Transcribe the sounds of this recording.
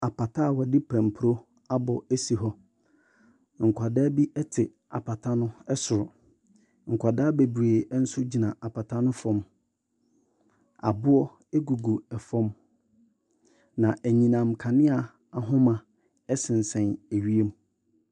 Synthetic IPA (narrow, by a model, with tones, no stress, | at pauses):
a˨pa˨tʰa˦˨wɔ˨dɪ˦pʰæ̃˨m˨pʰʊ˨ɾo˦ | a˦bɔ˨æ˦si˨ɦɔ˦ | ŋ̩˨kʷʰa˨daː˦bi˦ʔɛ˦tʰɪ˨ | a̰˨pʰa˨tʰa˦nʊ̃˦ɛ˦sʊ˨ɾʊ˨ | ŋ̩˨kʷʰa˨daː˦be˨bɾeː˨˦n̩˦sʊ˦d͡ʑi˨nã˨ʔa˨pʰa˨tʰa˦nʊ̃˦fɔ̃˦m | a̰˨bʊ˦ɔ˦ | e˦ɡu˨ɡu˨ɛ˨fɔ̃˦m | nã˨ʔæ˨ɲĩ˨nã˨mkʰa˨nɪ̃˦a˨ | a˨ɦʊ̃˦mã˨ | ɛ˦sɪ̃˨n˨sɛ̃˨næ˨ɥi˦e˦m